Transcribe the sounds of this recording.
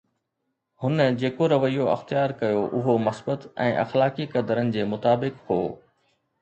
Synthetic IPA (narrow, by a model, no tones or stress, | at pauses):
hʊnd͡ʑeːkoɾɐʋəijoɐ̰xt̪ijaːɾkɐjoʔʊɦomɐsbət̪ɛ̰̃ːʔɐ̰xlaːkikɐd̪əɾənɪ̆d͡ʑeːmʊt̪aːbɪkɦoː